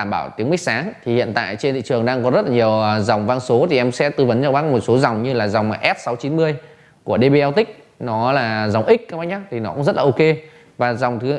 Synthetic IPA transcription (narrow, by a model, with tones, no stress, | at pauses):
aː˧˩mɓaː˧˩wt̪i˨˦əŋmï˦˥k̚saː˨˦ŋt̪ʰi˨˩hḭ˧˨ənt̪a̰ː˧˨jt͡ɕe˧nt̪ḭ˧˨t͡ɕɨ˨˩əŋɗaː˧ŋkɔ˨˦zə˦˥t̚laː˨˩ɲi˨˩əwza˨˩wŋ͡mvaː˧nso˨˦t̪ʰi˨˩ʔɛ˧msɛ̰˧˥t̪ɨ˧və˨˦nt͡ɕa˧wɓaː˦˥mo˨˩t̚so˨˦za˨˩wŋ͡mɲɨ˧laː˨˩za˨˩wŋ͡mʔɛ˦˥p̚sa˨˦wt͡ɕi˨˦nmɨ˧əj | ku˧˩əɗe˧ɓe˧ʔɛ˧wt̪ï˦˥k̟̚ | nɔ˨˦laː˨˩za˨˩wŋ͡mʔï˦˥k̚ʔa˨˦ma˨˦jɲaː˨˦t̪ʰi˨˩nɔ˨˦kʊ̰˧˥ŋ͡mzə˦˥t̚laː˨ʔo˧ke˧ | vaː˨˩za˨˩wŋ͡mt̪ʰɨ˨˦